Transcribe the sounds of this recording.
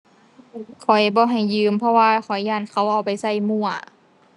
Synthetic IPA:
ɯ˧˩kʰɔ˨˩jbɔː˧˦ɦa˨˩jːɯː˧˩mpʰɔ˧waː˧kʰɔ˨˩jːaː˧˩nkʰa˧˩˨wʔa˧˩wpa˨jsa˧˩jmu˧˩˨ɐ

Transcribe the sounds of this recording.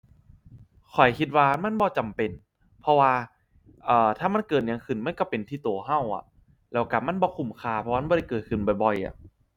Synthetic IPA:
kʰɔ˨˩jkʰi˧t̪̚waː˧ma˧˥˨nbɔː˧t͡ɕa˨mpe˨n | pʰɔ˧waː˧ | ʔɤː˨˧˩t̪ʰaː˧˩ma˧˥˨nkɤː˨˩t̪̚ɲaː˨˧ŋkʰɯ˧˩nma˧˥˨nkɔ˥˩pe˨nt̪ʰiː˧˩t̪u˨əɦa˧˥˩wʔa̰˨˩ʔ | lɛː˧˩wka˧˩p̚ma˧˥˨nbɔː˧˦kʰu˨˩mkʰaː˧˩pʰɔː˧˥˨bɔː˧˨ɾa˧˩jkɤː˨˩t̪̚kʰɯ˧˩nbɔ˨˩jbɔ˨jʔa̰˧˩

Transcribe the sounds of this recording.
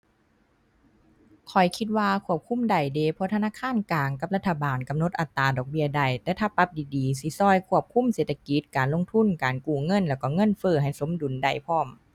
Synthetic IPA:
kʰɔ˨˩jkʰi˧t̪̚waː˧kʰu˧˥˩əp̚kʰu˧˥˨mda˨˩jdeː˧˩pʰɔ˧˥t̪ʰa˧naː˧˥˨kʰaː˧˥˨nklaː˨ŋka˧˦p̚la˧t̪ʰːa˧˩baː˨˩nka˨mno˧˦t̪̚ʔa˨˧˩t̪ːaː˨˩dɔː˨˩k̚bi˧˥ɐda˨˩jt̪ɛː˧˩t̪ʰaː˧˩pːa˧˥p̚diː˨diː˨˩si˧˦sɔː˧˩˨jkʰu˧˥˩əp̚kʰu˧˥˨mseː˨˩t̪ʰːa˧ki˧˦t̪̚kaː˨˩nlo˧˨ŋt̪ʰu˧˥˨nkaː˨nkuː˧˩ŋɤ˧˥˨nlɛː˧˩wkɔː˧˩ŋɤ˧˥˨nfɤː˧˩ɦa˨˩jso˨˦mdu˨nda˨˧˩jpʰɔː˧˩˨m

